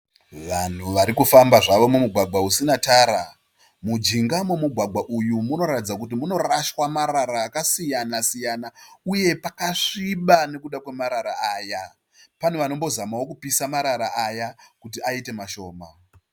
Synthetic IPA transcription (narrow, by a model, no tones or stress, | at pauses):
ʋan̤uʋaɾikufambaʐaʋo̞mumuɡʱwaɡʱwausinataːɾa | mud͡ʒiŋɡamumuɡʱwaɡʱwaʔujumuno̞ɾatid͡zakut̬imuno̞raʃwamaɾaɾaːkasijanasijanauje̞pakaʂiɓane̞kuɗakwe̞maɾaɾaaːja | paneʋano̞mbo̞zamawokupisamaɾaɾaʔajakutiaite̞maʃo̞ːma